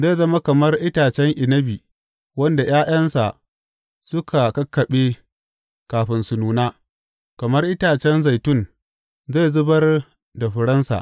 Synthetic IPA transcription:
zeː˦˨zɐ˦ma˦kɐ˨mɐ˦rʔɪ˦taː˨t͡ʃɛ˦ŋʔɪ˨nɐ˦biː˨ | wɐ˦nda˨jaː˦j̰ɐ˦nsa˨ʔ | sʊ˦kʰa˨kɐ˦kːɐ˨ɓeː˦ | kaː˨ɸɪ˨nsʊ˨nuː˨naː˦ | kɐ˨mɐ˦rʔɪ˦taː˨t͡ʃɛ˦nza˨jtʊ˦˨n | ze˦˨zʊ˦bɐ˦r | da˨ɸɪ˨ɽɐ˦nsa̰˨ʔ

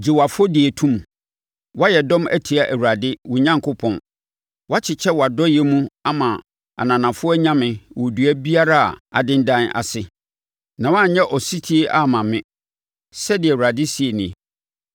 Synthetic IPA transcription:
d͡ʑi˨wa˨fʊ˦ɔ˦dɪ˨æ˨tʰũ˦m˨ | wa˦jɛ˨dɔ̃˦mæ̰˦tʰi˨a˦ʔæ˨wu˨ɾa˨dɪ˦wʊ˨ɲã˦ŋkʰʊ˦pʰɔ̃˨n | wa˦t͡ɕʰɪ˨t͡ɕʰɛ˦wɔ˨a˨dɔ˦jɛ˦mũ˦a˦mã˨ | a̰˨nã˨nã˨fʊ˦ɔ˦ɲã˦mɪ̃˨wɔ˨du˨æ˦bi˦a˦ɾa̰˦˨a̰˨dɪ̃˦n˦dã˦na̰˨sɪ˨ | nã˨wã˦˨ɲɛ̃˦ʔɔ˨si˦tʰi˦e˦ʔa˦˨mã˨mɪ̃˦ | sɛ˦dɪ˨ɛ˨u˨ɾa˨dɪ˦si˨e˨nĩ˨

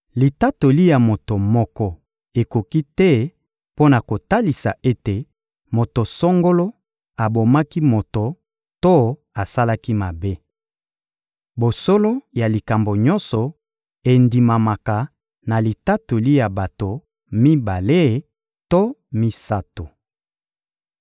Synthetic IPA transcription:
li˨ta˦to˨li˦ja˨mo˨to˨mɔ˦kɔ˦ | e˨ko˨ki˦tɛ˦ | po˦na˨ko˨ta˦li˨sa̰˨ʔe˦te˨ | mo˨to˨so˦ŋɡo˦lo˦ | a˨bo˨ma˦ki˦mo˨to˨ | to˦ | a˨sa˦la˦ki˦ma˨be˦ | bo˨so˦lo˦ja˨li˨ka˨mbo˨ɲɔ˦nsɔ˨ | e˨ndi˨ma˨ma˨ka˨ | na˨li˨ta˦tu˨li˦ja˨ba˨to˨ | mi˦ba˨le˦˨ | to˦mi˦sa˦to˨

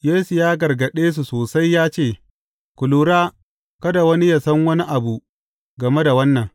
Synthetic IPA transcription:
jeː˦su˨jaː˦ɡɐ˨rɡɐ˨ɗeː˦s̬u˨soː˨sa˦jːaː˦t͡ʃeː˦˨ | kʷʊ˨luː˦ɾaː˦ | kɐ˦da˨wɐ˦ni˦ja˨sɐ˦ŋwɐ˦ni˦ʔa˨bu˨ | ɡɐ˨me˦da˨wɐ˦nːɐ˨ŋ

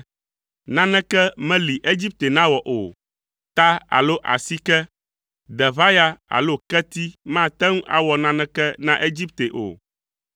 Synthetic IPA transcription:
nã˦nɛ̃˦kɛ˦mɛ̃˦li˨ʔe˦d͡ʑi˦p̚t̪e˨nã˦wɔ˨ʔo˨ | t̪a˦a̰˨lo˦ʔa̰˨si˦kɛ˦ | ɖɛ˨βa˦ja˦a̰˨lo˦kɛ˦t̪i˦mã˦˨t̪ɛ˦ŋũ˦ʔa̰˦wɔ˨nã˦nɛ̃˦kɛ˦nã˦ʔe˦d͡ʑi˦p̚t̪e˨ʔo̰˨

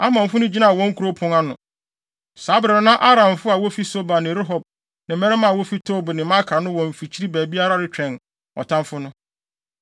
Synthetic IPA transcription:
a˦mã˨m˨fʊ˦nʊ̃˦d͡ʑi˦nã˦˨wɔ̃˦ŋ̩˦kʰu˨ɾo˦pʰʊ̃˨ŋa˦nʊ̃˨ | saː˨˦bɪ˨ɾa˨nã˦ʔa˦ɾã˨mfʊ˦a˨wo˦fi˦so˦ba˨nɪ̃˨ɾɪ˦ɦɔ˨b̚ | nɪ̃˨mɛ˦ɾɛ˦mã˨wo˦fi˦tʰoː˦bnɪ̃˨˦ma˦kʰa˨nʊ̃˦wɔ̃˨m˨fi˨t͡ɕʰi˦ɾi˦bæː˨bi˦a˦ɾa˦ɾɪ˦t͡ɕᶣɛ̃˨n | ɔ̰˨tʰã˦mfʊ˦nʊ̃˦

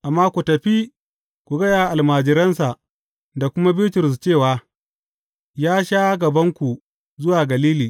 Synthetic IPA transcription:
ʔa˨mːaː˦kʷu˨tɐ˨ɸi˦ | kʷu˨ɡɐ˦jaː˨ʔa˨lmaː˨d͡ʒɪ˨ɾɐ˦nsa˨ʔ | da˨kʷʊ˦ma˦bɪ˦tʊ˨ɾʊ˨s̬t͡ʃeː˦˨waː˨ | jaː˦ʃaː˦ɡɐ˨bɐ˦ŋkʷu˨ | zʊ˦waː˨ɡɐ˨liː˦liː˨

